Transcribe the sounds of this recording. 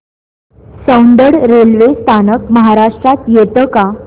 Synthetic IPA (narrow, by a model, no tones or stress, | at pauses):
sə̃wnɖ̪əɽɾelʋest̪ʰanək̚məɦaɾaʂʈɾat̪jet̪əka